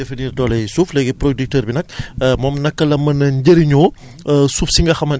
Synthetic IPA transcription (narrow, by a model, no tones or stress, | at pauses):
efɐniːrdɔːlɐjsuːflɛɡɛprodik̚təːɾbinɐk̚mɔːmnɐkːɐlɐmɐnɐɲɟəɾiɲɔː | suːfsiŋɡɐxɐmɐn